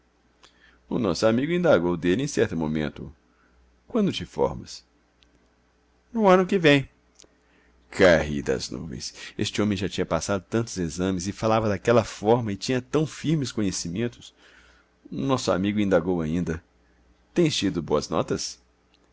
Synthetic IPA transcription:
ʊnɔsʊamiɡʊĩnd̪aɡowd̪elɪẽj̃sɛɾt̪ʊmõ̰mḛ̃nt̪ʊ̰ | kwɐ̃nd̪ʊt͡ʃɪfɔ̰ɾmɐs | nʊɐ̃nʊkɪvẽj̃ | kʰahḭd̪ɐ̰znṵvḛ̃j̃sḛst͡ʃɪõmẽj̃ʒat͡ʃĩɲɐpasad̪ʊt̪ɐ̃nt̪ʊzezɐ̃mɪzɪfalavɐd̪akɛlɐfɔɾmɐɪt͡ʃĩɲɐt̪ɐ̃w̃fiɾmɪskõɲesimẽnt̪ʊ̥s | ʊnɔsʊa̰miɡʊĩnd̪aɡowaĩnd̪ɐ | t̪ẽj̃st͡ʃid̪ʊboɐznɔ̰t̪ɐs

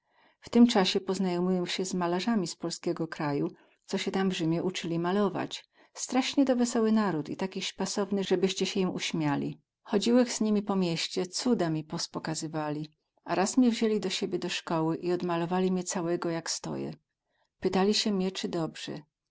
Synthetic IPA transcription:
ft̪ɘmt͡ʂaɕɛpɔznajɔmujɔwɕɛzmalaʐamʲispɔlskʲɛɡɔkɾaju | t̪sɔɕɛt̪amvʐɘmʲjɛʔut͡ʂɘlʲimalɔva̰t͡ɕ | st̪ɾaʂɲɛd̪ɔvɛsɔwɘnaɾut̪ḭt̪akʲiɕpasɔvnɘʐɛbɘɕt͡ɕɛɕɛjimuɕmʲjalʲḭ | xɔd͡ʑiwɛxz̥ɲimʲipɔmʲjeɕt͡ɕɛt̪sud̪amʲipɔspɔkazɘvalʲi | aɾasmʲɲɛvʑelʲid̪ɔɕebʲjɛd̪ɔʂkɔwɘʔiɔd̪malɔvalʲimɲɛt̪sawɛɡɔjakst̪ɔ̰jɛ̰ | pɘt̪alʲiɕɛmʲɲɛt͡ʂɘd̪ɔbʐ̥ɛ̰

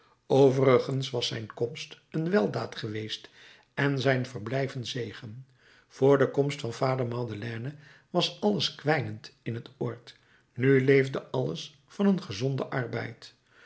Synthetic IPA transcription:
owvərəχənsʋɑsɛ̰jnkɔmst | ənʋɛlˠdaːtχəʋejst | ɛnzɛjnvərblɛjvənzejχən | v̥ʊːɹdəkɔmstfɑnfaːdəɹmɑdəlɛːnə | ʋɑsɑləskʋɛjnəntɪnɦətʊːɹt | nylejvdəɑlə̰s | fɑnənχəzɔndəʔɑɹbɛ̰jt

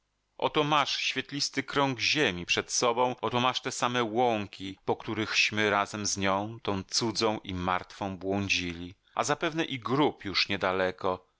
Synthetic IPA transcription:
ʔɔ̰t̪ɔmaʂɕfʲjɛt̪lʲist̪ɘkɾɔŋɡʑemʲipʂɛt̪sɔbɔ̃w̃ʔɔt̪ɔmaʂt̪ɛsamɛwɔŋkʲipɔkt̪uɾɘxɕmɘɾazɛmzɲɔ̃w̃t̪ɔ̃w̃t̪sud̪zɔ̃w̃ʔimaɾt̪fɔ̃w̃bwɔ̃ɲd͡ʑilʲi | a̰zapɛvnɛʔiɡɾupjuʂɲɛd̪alɛkɔ

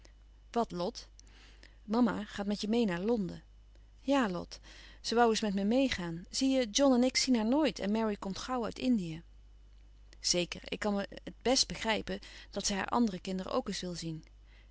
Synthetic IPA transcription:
ʋɑtlɔt | mɑma̰χaːtmɛtjəmejnaːɹlɔndə̰ | jaːlɔ̰t | səʋʌwəsmɛtmɛmejχaːnz̥ijəd͡ʒɔnɛnɪksinɦaːɹnoːjtɛ̰nmɛɹikɔmtχɑwœ̰ɥtɪndijə | z̥ejkəɹɪ̰kːɑnəəd̚bɛsd̚bəχrɛjpəd̥ɑtsɛjɦa̰ːɹʔɑ̰ndərəkɪndərə̰ʔo̰wkɪsʋɪlˠzin

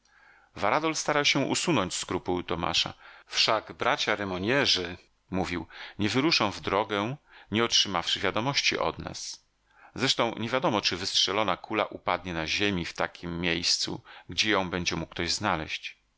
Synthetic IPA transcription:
vaɾad̪ɔlst̪aɾawɕɛ̃ʔusunɔɲt͡ɕskɾupuwt̪ɔma̰ʂa̰fʂaɡbɾat͡ɕaɾɛmɔɲɛʐɘ | muvʲiwɲɛvɘɾuʂɔ̃w̃vd̪ɾɔɡɛɲɛɔtʂɘmafʂɘvʲjad̪ɔmɔɕt͡ɕḭʔɔ̰d̪na̰s | zɾɛʂt̪ɔ̃w̃ɲʔɛvʲjad̪ɔmɔt͡ʂɘvɘstʂɛlɔnakʰula̰ʔupad̪ɲɛnaʑemʲift̪akʲimːʲjejst̪sṵɡd͡ʑɛjɔ̃w̃bɛɲd͡ʑɛmuk̚ːt̪ɔʑznalɛ̰ɕt͡ɕ

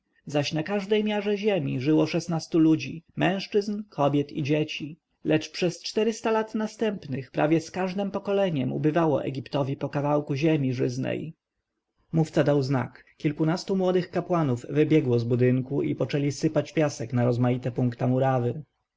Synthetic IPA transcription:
zaɕnakaʐd̪ɛjmʲjaʐɛʑemʲḭʐɘwɔʂɛsnast̪ulud͡ʑḭmɛ̃w̃ʂt͡ʂɘznkʰɔbʲjɛt̪ḭd͡ʑet͡ɕi | lɛt͡ʂpʂɛst͡ʂt̪ɛɾɘst̪alat̪nast̪ɛmpnɘxpɾʔa̰vʲjɛskaʐd̪ɛmpɔkɔlɛɲɛmṵbɘvawɔ̰ʔɛ̰ɡʲipt̪ɔvʲipɔkavawkuʑemʲiʐɘznɛ̰j | muft̪sad̪awzna̰k | kʲilkunast̪umwɔd̪ɘxkapwanuvːɘbʲjɛɡwɔzbud̪ɘŋkuḭpɔt͡ʂɛlʲisɘpat͡ɕpʲjasɛknaɾɔzmajit̪ɛpuŋkt̪amuɾavɘ

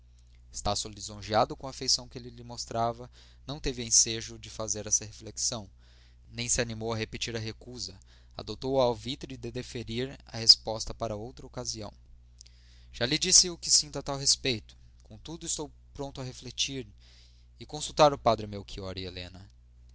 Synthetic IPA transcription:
ɪ̥st̪asolizõʒiad̪ʊkõɐafejsɐ̃w̃kelɪlɪmost̪ɾavɐ | nɐ̃w̃t̪evɪẽseʒʊd͡ʒɪfazeɾɛsɐɦefleksɐ̃w̃ | nẽj̃sɪanimowɐɦepet͡ʃiɾɐɦekuzɐ | a̰d̪ot̪owawvit̪ɾɪd̪ed̪efeɾiɾɐ̰hespɔst̪ɐpaɾɐowt̪ɾɐokaziɐ̰̃w̃ | ʒ̥alɪd͡ʒisɪʊkɪsĩnt̪ʊɐt̪awɦespejt̪ʊ̥ | kõt̪ud̪ʊɪst̪ow | pɾõnt̪ʊɐɦeflet͡ʃiɾ | ɪkõsuwt̪aɾʊpad̪ɾɪmewkʰiɔɾielḛ̃nɐ

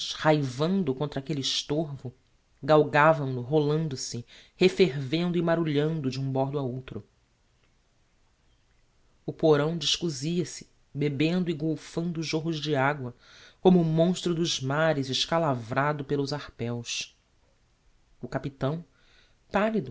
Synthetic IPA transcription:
ʃhajvɐ̃nd̪ʊkõnt̪ɾɐakelɪːʃt̪oɾvʊ | ɡawɡavɐ̃w̃lʊɦolɐ̃nd̪ʊsɪhefeɾvẽnd̪ʊimaɾuʎɐ̃nd̪ʊd͡ʒɪũbɔɾd̪ʊaowt̪ɾʊ | ʊpoɾɐ̃w̃d͡ʒiʃkuziɐsɪ̥ | bebẽnd̪ʊiɡowfɐ̃nd̪ʊʒoɦʊzd͡ʒɪaɡwɐ | kõmʊːmõʃt̪ɾʊd̪ʊzmaɾɪzɪʃkalavɾad̪ʊpelʊzaχpɛws | ʊkapit̪ɐ̃w̃ | palid̪ʊ

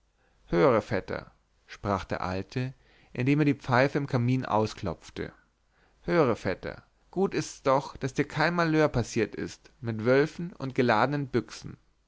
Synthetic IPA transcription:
høːʁəfɛtʰɐ̰ | ʃpʁ̥aːχd̥ḛːɐʔa̰ltʰə | ʔɪndeːmeːɐdiːp͡faɪfəɪmkʰamiːnʔa̰ʊskl̥ɔp͡ftə̰ | høːʁəfɛtɐ̰ | ɡ̥uːtɪstsd̥ɔχd̥asd̥iːɐkʰaɪnmaløːɐpʰasiːɐtɪ̰st | mɪtv̥œlfn̩ʔʊ̰nt̚ɡ̥əlaːdənənbʏksn̩

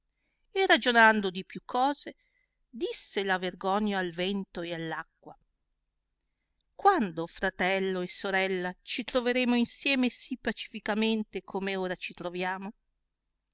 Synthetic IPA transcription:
erad͡ʒonand̪od̪ipjukʰːɔːze | d̪isːelaverɡɔɲːaːlvɛnt̪oealːakːwa | kwand̪ofɾat̪ɛlːoesːoɾɛlːat͡ʃit̪ɾoveɾeːmoinsjɛːmesipːat͡ʃi̥fikament̪ekʰomeoːɾat͡ʃit̪ɾovjaːmo

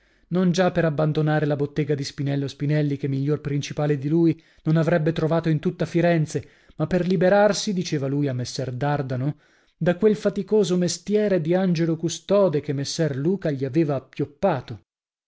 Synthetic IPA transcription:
nond͡ʒapːeɾabːand̪onaːɾelabot̪ːeːɡad̪ispinɛlːospinɛlːikemːiʎːorpɾint͡ʃipaːled̪iluːj | nonavɾɛbːet̪ɾovaːt̪oint̪ut̪ːafiɾɛnt̪se | mapːerlibeɾarsid̪it͡ʃeːvaluːjamːesːɛrd̪ard̪ano | d̪akwelfat̪ikoːzomest̪jɛːɾed̪iand͡ʒelokust̪ɔːd̪ekemːesːɛrluːkaʎiaveːvaːpːjopːaːt̪o

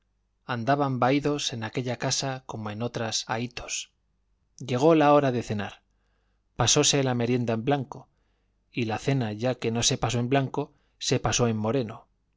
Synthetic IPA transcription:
and̪aβambaiðo̞se̞nake̞ʎakasako̞moe̞no̞t̪ɾasa̰it̪o̞̥s | ʎe̞ɣ̞o̞lao̞ɾaðe̞θe̞naɾ | paso̞se̞lame̞ɾje̞nd̪ae̞mblaŋko̞ | ilaθe̞naʝake̞no̞se̞paso̞e̞mblaŋko̞ | se̞paso̞e̞mːo̞ɾe̞no

